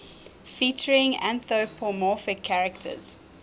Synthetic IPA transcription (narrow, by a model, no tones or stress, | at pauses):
fiˑt͡ʃəɹɪ̃ŋæ̰̃nθopʰɔmɔˑfɪkʰːaɹəktʰə̰z̥